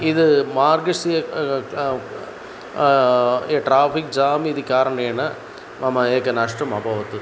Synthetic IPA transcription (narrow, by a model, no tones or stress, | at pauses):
ɪðɯmaːɾɡɐsijɐ | ʈɾaːfik̚d͡ʒaːmiːðɯkʲːaːɾɐɳɐenːɐ | mɐmɐeːkːɐnɐʂʈɐmɐbʱɐʋɐt̪ːɯ